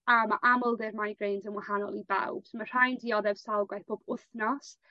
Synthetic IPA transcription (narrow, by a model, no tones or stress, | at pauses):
amaʔamɔlˠðɪrmajɡrejnzənwahanɔ̰lˠiba̰wb̥smar̥ajndiɔðɛv̥salˠɡwajθb̥oːb̥ʊθnɔs